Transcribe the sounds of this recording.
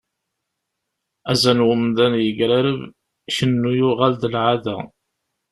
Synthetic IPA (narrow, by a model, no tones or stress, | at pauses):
æzænwəmðænjəɡɾæɾəv | ʃənːujʊʁald̪əlʕaðæ̰